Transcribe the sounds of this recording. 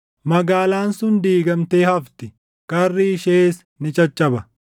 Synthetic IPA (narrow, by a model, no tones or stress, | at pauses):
mɐɡaːlaːnsʊnd̪iːɡɐmt̪eːhɐft̪ɪ | kɐrːiːʃeːs | nɪt͡ʃʼɐt͡ʃʼːɐbɐ